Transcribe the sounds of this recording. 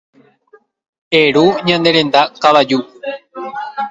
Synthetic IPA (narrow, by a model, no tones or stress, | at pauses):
e̞ɾuɲãnd̪e̞ɾẽ̞nd̪akaʋad͡ʒu